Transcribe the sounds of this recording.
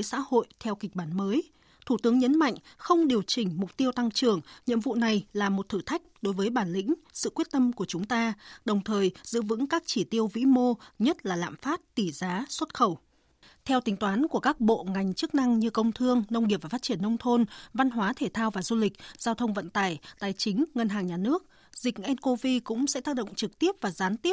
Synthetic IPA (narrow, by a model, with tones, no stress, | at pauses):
jsa̰ː˧˥ho̰˧˨jt̪ʰɛ˧wkï˨˩k̟̚ɓaː˧˩nməː˨˦j | t̪ʰu˧˩t̪ɨ˨˦əŋɲə˨˦nma̰˧˨jŋ̟xə˧wŋ͡mɗi˨˩əwt͡ɕï˨˩ŋ̟mʊ˨˩k͡p̚t̪i˧əwt̪a˧ŋt͡ɕɨ˨˩əŋɲḭ˧˨əmvṵ˧˨na˨˩jlaː˨˩mo˨˩t̚t̪ʰɨ˧˩t̪ʰa˦˥jk̟̚ɗo˨˦jvəː˨˦jɓaː˧˩nlḭ̈˧˥ŋ̟sɨ̰˧˨kwət̚t̪ə˧mku˧˩ət͡ɕʊ˨˦ŋ͡mt̪aː˧ɗə˨˩wŋ͡mt̪ʰəː˨˩jzɨ̰˧˥vɨ̰˧˥ŋkaː˦˥k̚t͡ɕi˧˩t̪i˧əwvḭ˧˥mo˧ɲə˦˥t̚laː˨˩la̰ː˧˨mfaː˦˥t̚t̪i˧˩zaː˨˦swə˦˥t̚xə˧˩w | t̪ʰɛ˧wt̪ï˨˦ŋ̟t̪waː˨˦nku˧˩əkaː˦˥k̚ɓo̰˧˨ŋa˨˩jŋ̟t͡ɕɨ˦˥k̚na˧ŋɲɨ˧kə˧wŋ͡mt̪ʰɨ˧əŋnə˧wŋi˨˩p̚vaː˨˩faː˦˥t̚t͡ɕi˧˩ənːə˧wŋ͡mt̪ʰo˧nva˧nɦwaː˨˦t̪ʰe˧˩t̪ʰaː˧wvaː˨˩zu˧lï˨˩k̟̚zaː˧wt̪ʰə˧wŋ͡mvə̰˧˨nt̪aː˧˩jt̪aː˨˩jt͡ɕï˨˦ŋ̟ŋə˧nɦaː˨˩ŋɲaː˨˩nɨ˦˥ək̚ | zi˨˩k̟̚ʔɛ˧nko˧vi˧kʊ̰˧˥ŋ͡msɛ̰˧˥t̪aː˦˥k̚ɗo̰˧˨ŋ͡mt͡ɕɨ˨˩k̚t̪i˦˥əp̚vaː˨˩zaː˨˦nt̪i˦˥əp̚